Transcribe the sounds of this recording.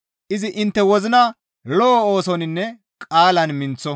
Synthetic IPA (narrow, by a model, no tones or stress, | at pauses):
ʔɪzɪʔɪnt̪ːɛwɔzɪnɐ | lɔːoːsɔnɪnːɛ | kʼaːlɐnmɪnt͡sːɔ